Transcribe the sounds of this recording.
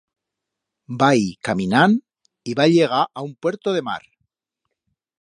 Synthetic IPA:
baikaminan | iβaʎe̞ɣ̞aʔaumpwe̞ɾt̪oðe̞ma̰ɾ

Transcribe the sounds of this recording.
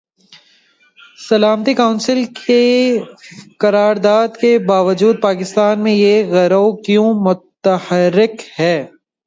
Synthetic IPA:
sɐlaːmt̪ikaʊ̃nsɪlkʰe | kɐɾaːɾd̪aːd̪kebaːʋəd͡ʒuːd̪̚paːkɪst̪aːnmẽjeɣɛɾoːkjõːmʊt̪əhəɾːɪkhɛː

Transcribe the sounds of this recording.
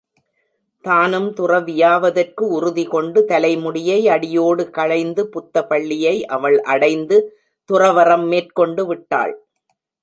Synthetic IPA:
t̪aːnɯmt̪ʊrɐʋɪjaːʋɐðɐrkɯʊɾʊðɪkɔɳɖɯt̪ɐlɐɪmʊɽɪjɐɪɐɽɪjoːɽɯkɐɻɐɪnd̪ɯpʊt̪ːɐpɐɭːɪjɐɪʔɐʋɐɭʔɐɽɐɪnd̪ɯ | t̪ʊrɐʋɐrɐmːeːrkɔɳɖɯʋɪʈːa̰ːɭ

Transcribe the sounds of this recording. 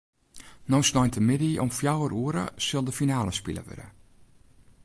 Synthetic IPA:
nɔsnɔjntʰəmɪdiɔ̰mfjawəɾuəɾə̰sɪlˠdəfinaːləspḭlˠə̰ʋø̰də̰

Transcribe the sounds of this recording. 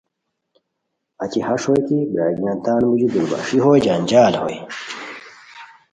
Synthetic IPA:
ɐt͡ɕihɐʂojkibɾa̰ːɡijant̪aːnmud͡ʑud̪uɾba̰ːʂiɦoːjd͡ʑaːnd͡ʑaːlho̰j

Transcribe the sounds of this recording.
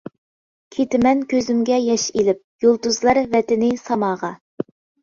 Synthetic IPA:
kʲʰet̪ɪmɛnkʲøzymɡʲɛjɛʃelɪp̚jolˠt̪uzlˠɑɾvɛt̪ɪnɪsɑmɑːʁɑ

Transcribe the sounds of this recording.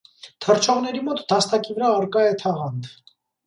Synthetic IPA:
t̪ʰəɾt͡ʃʰɔʁnɛɾimɔt̪d̪ɑst̪ɑkivəɾɑːɾkɑɛt̪ʰɑʁɑnd̪

